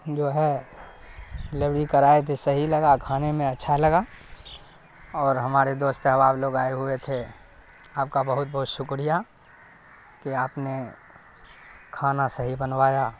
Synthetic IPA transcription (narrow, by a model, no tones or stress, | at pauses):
d͡ʒoːɦɛ | lebɽikəɾaːet̪ʰesɐɦilɐɡakʰaːnemẽɐtːʃʰalɐɡa | ɔːɾɦɐmaːɾed̪oːst̪ɦəʋaːbloːɡaːeɦʊet̪ʰe | aːp̚kabɐɦʊt̪̚bɐɦʊt̪ʃʊkɾija | kiaːpne | kʰaːnasəɦibənʋaːjaː